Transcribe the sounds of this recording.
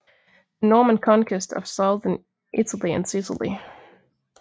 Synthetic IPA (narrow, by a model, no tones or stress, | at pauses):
ðənɔɹmə̃nkʰɑ̃nkʰɨstʰə̰v̥soðə̃n | ʔɪtəl̩ˠiɨ̰̃nsɪsə̰lˠḭ